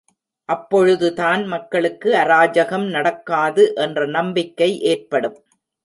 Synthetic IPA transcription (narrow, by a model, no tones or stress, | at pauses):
ʔɐpːɔɻɯðɯt̪aːnmɐkːɐɭɯkːɯɐɾaːd͡ʒɐɣɐmnɐɽɐkːaːðɯʔɛndrɐnɐmbɪkːɐɪʔeːrpɐɽɯm